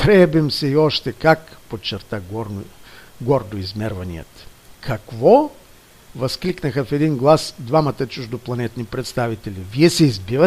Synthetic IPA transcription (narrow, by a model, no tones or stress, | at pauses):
t̪ɾɛbimsɛiɔʃt̪ɛkakpot͡ʃːɛɾt̪aɡɔɾ | ɡɔɾd̪oizmɛɾvɐnḭjə̰t̪kʰɐkvɔ | vɐskliknəxəfɛd̪inɡlˠasd̪vamɐt̪ət͡ʃuʒd̪oplˠɐnɛt̪nipɾɛt̪st̪avit̪ɛliviɛsɛizbivə